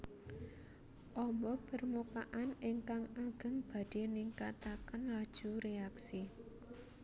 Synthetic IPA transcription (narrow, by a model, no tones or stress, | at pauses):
ʔɔmbɔpərmukaʔanɪŋkaŋaɡ̥ə̤ŋb̥a̤d̥e̤niŋkat̪akənlad̥ʒ̥ṳɾeaksi